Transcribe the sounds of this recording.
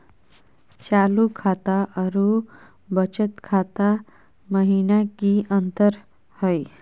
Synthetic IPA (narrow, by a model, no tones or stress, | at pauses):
t͡ɕalukʰat̪aʔəɾu | bət͡ʃət̪kʰat̪a | məɦinakiənt̪əɾ | həj